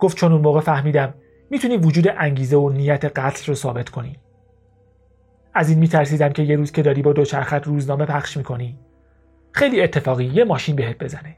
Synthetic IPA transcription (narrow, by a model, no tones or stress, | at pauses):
ɡ̥oft̪t͡ʃo̞nunmoːɣefæhmiːd̪æmː | iːt̪ʰuniːvod͡ʒuːd̪e̞ʔæŋɟiːzeonijæt̪ʰe̞ɢæt̪ʰlrosɒːbe̞t̪ʰkʰo̞ni | æziːnmiːt̪ʰæɾs̬iːd̪æmcʰe̞jeɾuːz̥kcʰe̞d̪ɒːɾiːbɒːd̪o̞t͡ʃʰæɾxæt̪ʰruːznɒːme̞pʰæχʃmiːkʰo̞niː | xe̞jliːet̪ʰːe̞fɒːɣijemɒːʃiːnbeɦe̞t̪̚be̞zæne